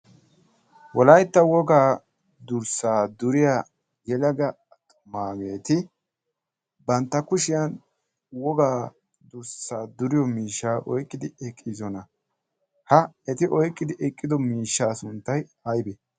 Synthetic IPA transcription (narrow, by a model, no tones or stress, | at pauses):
wɔlɐjt̪ːɐwɔɡaː | d̪ʊɾsaːd̪ʊɾɪjaː | ɡɛlɐɡɐ | t̪ʼʊ̥maːɡe̞ːt̪ɪ | bɐnt̪ːɐkʊʃɪjɐn | wɔɡaː | d̪ʊɾsaːd̪ʊɾɪjɔmiːʃːaːʔɔ̰jkʼːɪd̪ɪɛkʼːizɔnɐ | hɐɛt̪ɪʔɔjkʼːɪd̪ɪʔɛkʼːɪd̪ɔmiːʃːaːsʊnt̪ːɐjɐjbɛ